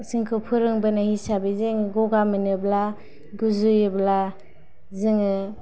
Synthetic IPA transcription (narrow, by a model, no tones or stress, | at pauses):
siŋkʰɯpʰɯɾɯŋbɯnahisabizɯŋɡɔɡamɯnɯbla | ɡuzujɯbla | zɯŋɯ